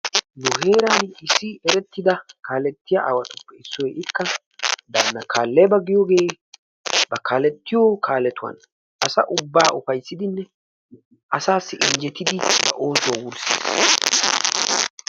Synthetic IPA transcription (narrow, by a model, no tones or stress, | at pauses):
nʊhe̞ːɾanɪsːɪɛɾɛt̪ːɪd̪ɐkaːlɛt̪ːɪjaʔa̰ːwɐt̪ʊ̥pːɛɪsːɔɛʔɪkːɐ | d̪aːnːɐkaːlːebɐɡɪjoːɡe̞ː | bɐkʰaːlɛt̪ːɪjokʰaːlɛt̪ʊwɐ̰n | ʔɐsɐ̰ʔʊbːaːʔʊfɐjsːɪd̪ɪnːɛ | ɐsaːsːɪʔɪɲd͡ʒɛt̪ɪd̪ɪbɐ̰ʔo̞ːsʊwɐwʊɾsḭːs